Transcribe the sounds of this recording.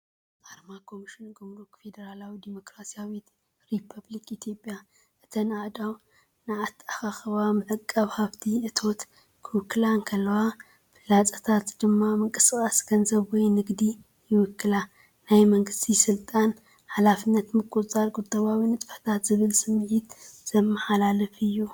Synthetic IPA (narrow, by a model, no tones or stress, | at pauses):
ʔaɾmakʰo̞miʃɪnɡumɾukfe̞d̪ɐɾalawid̪imo̞kɾasijawit̪ | ɾipʰɐblikit̪ʰijo̞pʼja | ʔɨt̪ʰɐnad̪aw | naat̪ʰːaxaxɐβamɨʕɨkʼːɐβhaβt̪ʰiʔɨt̪ʰo̞t̪ | kʰɨwʊkːɨlaŋkʰɐlːɐwa | fɨlat͡sʼɐt̪ʰat̪d̪ɨmːamɨŋkʼɨskʼaskʰɐnzɐβwɔjnɨɡd̪i | jɪwʊkːɨla | najmɐŋɡɨst̪ʰisɨlt̪ʼan | ħalafɨnːɐt̪mɨkʼut͡sʼɐlɡud̪ɐβawinɨt̪ʼfɐ̥ħt̪ʰat̪z̥ɨβɨlsɨmːɨʕit̪z̥ɐmːɐħalalɐfɨjːu